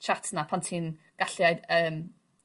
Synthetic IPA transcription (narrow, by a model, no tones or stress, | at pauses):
t͡ʃʰatʰnapʰantʰiːn | ɡ̥aɬiajəːm